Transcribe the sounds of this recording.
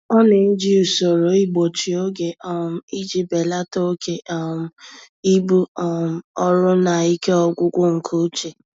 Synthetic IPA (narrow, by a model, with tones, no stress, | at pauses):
ɔ˦ne˨n̩˦d͡ʒi˦u˨so˨ɾo˨˦i˦ɡ͡bo˨t͡ʃi˨o˦ɡe˨ɔ˨m̩˨i˦d͡ʒi˨be˨la˦to˦o˦ke˨a˨m̩˨ | i˦bu˦m̩˨ɔ˦ɾʊ˦na˨i˦ke˦ɔ˦ɡʷʊ˦ɡʷʊ˦ŋ̩˨kʰo˦t͡ʃe˨